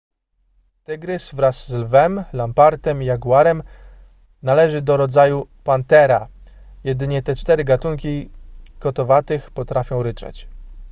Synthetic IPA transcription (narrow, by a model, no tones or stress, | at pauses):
t̪ɘɡɾɘsvɾasːlvɛmlampaɾt̪ɛmijaɡwaɾɛm | nalɛʐɘd̪ɔɾɔd̪zajupant̪ɛɾa̰jɛd̪ɘɲɛt̪ɛt͡ʂt̪ɛɾɘɡat̪uŋkʲikɔt̪ɔvat̪ɘxpɔt̪ɾafʲjɔ̃w̃ɾɘt͡ʂɛ̰t͡ɕ